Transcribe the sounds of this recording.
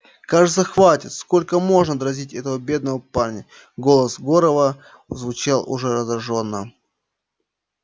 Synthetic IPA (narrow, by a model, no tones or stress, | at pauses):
kaʐɨt̪səxvatʲɪt̪sko̞lʲkəmo̞ʐnəd̪ɾɐzʲitʲɛt̪əvəbʲe̞d̪̚nəvəparnʲə | ɡo̞lˠəsɡoɾəvə | zvʊt͡ɕalˠʊ̰ʐɛɾəzɾɐʐo̞nːə̰